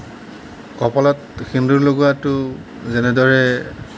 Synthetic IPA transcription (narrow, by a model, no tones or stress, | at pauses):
kɔpɔlɔtxinduɹloɡuatʊ | zɛnɛdɔɹɛ